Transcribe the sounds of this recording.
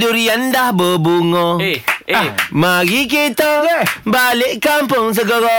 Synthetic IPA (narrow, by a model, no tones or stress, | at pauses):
duɾiandahbəbuŋɔ̃ | maɡik̬it̪əbalɪʔkampʊŋs̬əɡəɾɔ